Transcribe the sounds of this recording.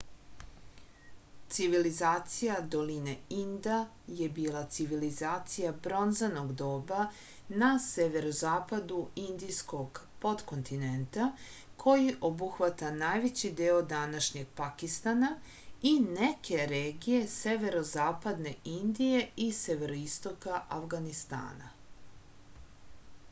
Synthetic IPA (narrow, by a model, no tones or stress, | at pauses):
t̪siʋilizaːt̪sijad̪o̞lineind̪a | je̞biːlˠat̪siʋilizaːt̪sijabɾo̞nzanoɡd̪o̞ːba | naseʋe̞ɾozaːpad̪uind̪isko̞ɡpo̞d̪ko̞nt̪ine̞nt̪a | kʰo̞jiʔo̞buxʋat̪anaːjʋe̞t͡ɕid̪eːod̪anaʃɲe̞ɡ̚pakist̪ana | ine̞kʰe̞ɾeːɡije̞se̞ʋe̞ɾo̞zaːpad̪ne̞ind̪ije̞ise̞ʋe̞ɾoist̪o̞kaʔafɡanist̪a̰ːna̰